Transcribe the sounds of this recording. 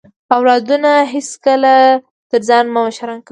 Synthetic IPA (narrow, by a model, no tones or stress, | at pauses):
awlɑd̪unaɦeskəla | t̪əɾzɑnmʊmaʃaɾɑnka